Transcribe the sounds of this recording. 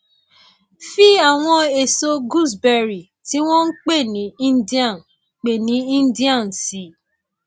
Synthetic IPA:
fi˦a˦˨w̃ɔ̃˧e˨so˧ɡu˦˨s̬bɛ˧ɾi˨ | ti˨˦w̃ɔ̃˦n̩˦k͡pe˦˨nĩ˨˦ĩ˦n˦di˦ã˦˨ | k͡pe˨nĩ˨˦ĩ˦n˦di˦ã˦˨n̩˨si˨˦

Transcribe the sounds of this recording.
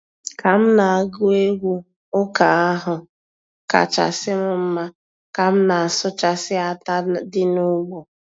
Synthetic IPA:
ka˨m̩˦na˨a˨ɡʊ˦e˦ɡʷu˦ | ʊ˦ka˨a˦ɦʊ˨ | ka̰˨t͡ʃa̰˨sɪ˦m̩˦m̩˦ma˦ | ka˨m̩˦na˨a˨sʊ˦t͡ʃa˨sɪ˦a˦ta˦dɪ˦nʊ˦ɡ͡bɔ˨

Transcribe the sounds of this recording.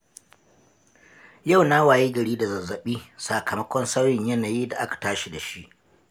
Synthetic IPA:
ja˦˨wna˦waː˨jiː˦ɡɐ˨ɽiː˦da˨zɐ˨zːɐ˨ɓiː˦saː˨kʰɐ˨mɐ˦kʷɔ˦nsa˦wjɪ˨ɲjɐ˦naː˨jiː˦da˨ʔa˦kḁ˨taː˦ʃi˨da˨ʃi˦ʔ

